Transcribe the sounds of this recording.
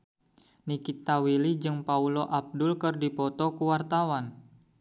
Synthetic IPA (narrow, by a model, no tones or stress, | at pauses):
nikit̪awilid͡ʒɨŋpauloʔab̚dʊlkɨrdipɔt̪ɔkuwart̪awan